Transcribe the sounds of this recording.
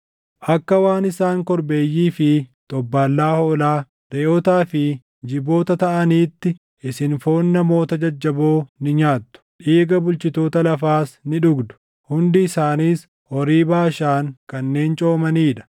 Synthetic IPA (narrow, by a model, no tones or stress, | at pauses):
ʔɐkːɐwaːnɪsaːŋkɔɾbe̞ːjːiːfɪt̪ʼɔbːaːlːaːhoːlaː | ɾeːʔɔt̪aːfɪ | d͡ʒɪbo̞ːt̪ɐt̪ɐʔɐniːt̪ːɪ | ɪsɪnfoːnːɐmo̞ːt̪ɐd͡ʒɐd͡ʒːɐboːnɪɲaːt̪ːʊ̥ᶑiːɡɐbʊlt͡ʃɪt̪o̞ːt̪ɐlɐfaːsnɪᶑʊɡd̪ʊ̥ | hʊnd̪ɪɪsaːniːs | hɔɾiːbaːʃaːŋkɐnːe̞ːnt͡ʃʼo̞ːmɐniːᶑɐ̥